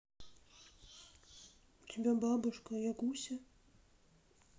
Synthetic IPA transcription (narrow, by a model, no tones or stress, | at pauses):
ut̪ʲɪbʲababɨʂkɐjakusʲɐ